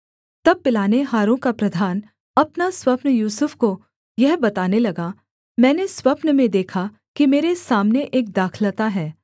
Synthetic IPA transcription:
t̪ɐb̚ːɪlaːneɦaːɾõkapɾɐd̪ʱaːn | ɐpnaswɐpnjuːsʊfko | jɛɦbɐt̪aːnelɐɡa | mɛ̃ːneswɐpnəmẽd̪eːkʰa | kimeːɾesaːmneʔeːk̚d̪aːkʰlət̪aɦɛː

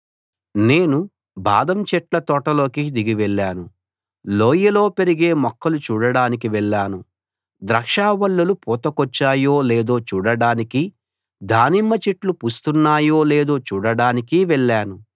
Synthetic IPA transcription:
ne̞ːnu | ba̰ːd̪ɐmt͡ʃɛʈlɐt̪ɔʈɐlo̞ːkid̪iɡiʋɛɭːaːnu | loːjɐlo̞ːpe̞ɾiɡeːmɔkʰːɐlut͡ʃuːɽɐɽaːnikiʋɛɭːaːnu | d̪ɾɐkʂaːʋɐɭːɐlupɔːt̪ɐkɔt͡ʃːaːjoːleːd̪o̞ːt͡ʃuːɽɐɽaːniki | d̪ʱaːnimːɐt͡ʃiʈlupust̪unːaːjo̞ːleːd̪o̞ːt͡ʃuːɽɐɽaːnikiʋɛɭːaːnu

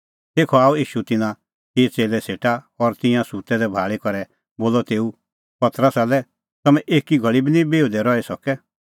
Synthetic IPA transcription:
t̪eːkʰɔaːuiːʃut̪ɪnã | teːt͡seːlɛseːʈa | ɔɾt̪ɪ̃jãsut̪ɛd̪ɛbʱaːɭekɔɾɛ | boːlɔt̪eːu | pɐt̪ɾəsalɛ | t̪ɐmɛ̃ʔeːkiɡʱɐɭibinĩbeːud̪ɛɾɔɛsɔkɛ

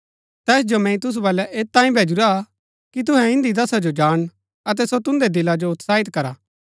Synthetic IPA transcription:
t̪ɛːsd͡ʒomɛ̃ĩt̪ʊs̬ubɐlɛʔeːt̪ːãːĩbʱeːd͡ʒʊɾa | kit̪ʊɦɛ̃ɪ̃nd̪id̪ɐsad͡ʒod͡ʒaːɽ̃ | ɐt̪̬ɛsot̪ʊ̃nd̪ed̪ɪlad͡ʒoʊt̪saːɪt̪kɐɾaː

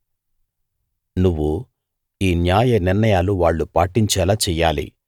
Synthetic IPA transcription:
nuʋːu | iːnjaːjɐniɾnɐjaːluʋaːɭːupaːʈiɲt͡ʃɛːlaːt͡ʃɛːjːaːlḭ

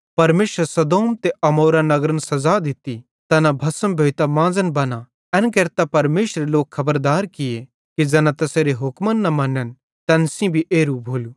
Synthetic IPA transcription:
pɐɾmeːʃəɾsɐd̪oːmt̪eʔɐmoːɾanɐɡɾənsɐzad̪ɪt̪i | t̪ɐnãbʱɐsəmbʱeːt̪amãːzənbɐna | ɛ̃ːnkeːɾt̪apɐɾmeːʃɾeloːkʰɐbəɾd̪aːɾkɪje | kid͡ʒɛːnãt̪ɐseɾeɦʊkmənːɐmɐ̃nːən | t̪ɛ̃ːnsĩbʱiʔeːɾubʱoːluː

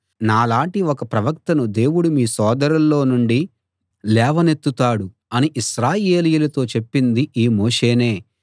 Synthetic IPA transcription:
naːlaːɳʈiɔkɐpɾɐʋɐk̚t̪ɐnud̪e̞ːwuɽumiːsɔːd̪ɐɾɐlːo̞ːnuɳɖi | lɛːʋɐne̞t̪ːut̪aːɽu | ɐniʔiʃɾaːje̞ːlijulɐt̪o̞ːt͡ʃe̞pːind̪iʔiːmoːʂe̞ːne̞ː

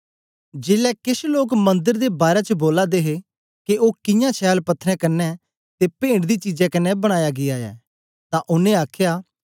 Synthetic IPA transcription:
d͡ʒeːlɛkɪsloːkmɐ̃nd̪əɾd̪ebaːɾɛt͡ʃəboːlad̪eːɦe | keʔoːkɪjãːt͡ʃʰɛːlpɐt̪ʰːɾɛ̃ːkɐnɛ | t̪epẽːɳɖd̪iːt͡ʃid͡ʒɛ̃kɐnːɛbəɽ̃aːjaɡɪjaːɛ̰ː | t̪ãʔʊnẽaːkʰjaː

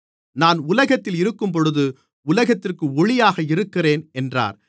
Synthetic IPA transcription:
naːnʊlɐɣɐt̪ːɪlɪɾɯkːɯmp̬ɔɻɯðɯ | ʊlɐɣɐt̪ːɪrkɯɔɭɪjaːɣɐɪɾɯkːɪreːnɛndra̰ːɾ

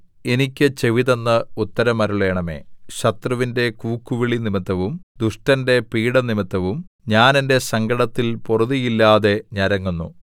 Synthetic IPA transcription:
e̞nikʲːɨt͡ɕe̞ʋiðɐnːɨut̪ːɐɾɐmɐɾuɭe̞ːɳɐmḛːɕɐt̪rɐʋinde̞kuːkːuʋiɭinimit̪ːɐʋumd̪uʂʈɐnde̞piːɽɐnimit̪ːɐʋum | ɲaːne̞nde̞sɐŋɡɐɽɐt̪ːilporuðijilːaːðe̞ɲɐɾɐŋːunːṵ

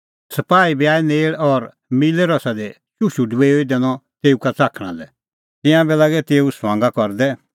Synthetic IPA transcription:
sɐpaːibiaːineːɭɔɾ | milɛɾɔsad̪ɛ | ʃuʃuɖuʋeoid̪eːnɔt̪eːukat͡saːkʰɽ̃ã̰lɛ | t̪ɪ̃jãbɛlaːɡɛt̪eːusʋãːŋɡakɔɾd̪ɛ

